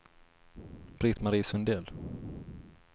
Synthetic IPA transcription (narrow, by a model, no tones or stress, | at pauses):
b̥ɾɪt̪maɾiːsɵnd̪eːl